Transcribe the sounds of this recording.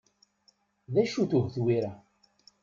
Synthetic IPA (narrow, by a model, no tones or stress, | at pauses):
ðæʃuθuhθwiɾæ